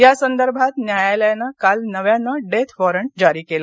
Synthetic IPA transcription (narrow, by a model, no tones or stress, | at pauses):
jasənd̪əɾbʱat̪njajaljanakalnəʋjanːaɖet̪ʰʋɔɾəɳʈ̚d͡ʑaɾiːkela